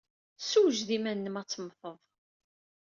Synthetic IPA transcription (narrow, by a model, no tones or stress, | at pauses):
suwʒðimænːəmɑt͡sːəmθəðˤ